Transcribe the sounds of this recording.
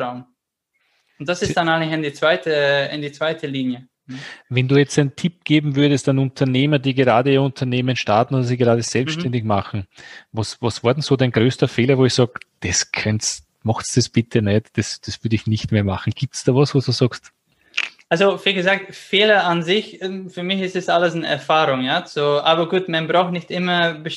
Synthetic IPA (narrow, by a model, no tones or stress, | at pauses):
aʊn | ʊntd̥asɪsd̥anaɪnɪçɪndit͡sv̥aɪtəɪndiːt͡sv̥aɪtʰəliːnjə | vɛnduːjɛt͡stæntʰɪp̚ɡ̥eːbm̩vʏɐdəstanʊntʰɐneːmɐdiːɡəʁaːdəiʊntʰɐneːmənʃtaɐtn̩oːdɐsiːɡeʁaːdəz̥ɛlpsʃtɛndɪçmaχn̩vɑsvɑsv̥aːɐdɛnsoːdæɪnɡʁøːstɐfeːlɐvoːɪçsɑːɡd̥ɛskʰœns | mɔxtsd̥esb̥ɪtʰənɛtd̥ɛsd̥ɛsv̥ʏɐdəɪçnɪçtmeːɐmaχn̩ɡ̥iːp̚tsd̥ɑːvɔsvoːsd̥uːsɑːkst | alzoviːlɡəzaːk̚tfeːlɐanzɪçɛfyːɐmɪçɪstɛsaləsn̩ɛ̰ɐfaːʁʊŋjaːt͡suʔaːbɐɡuːtmanbʁaʊxnɪçtʔɪmɐbə